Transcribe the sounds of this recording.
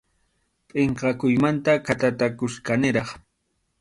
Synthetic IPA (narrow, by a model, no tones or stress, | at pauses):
pʼɪɴqɑkʊjmant̪akat̪at̪akʊskanɪɾɑχ